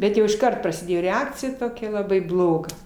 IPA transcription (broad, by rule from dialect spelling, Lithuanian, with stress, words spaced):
ˈbʲɛt jɛʊ ɪʃˈkɐrt prɐsʲɪˈdʲeːjoː rʲɛˈɑːkt͡sʲɪjɛ toːˈkʲɛ lˠɐˈbɐɪ ˈblˠoːɡɐ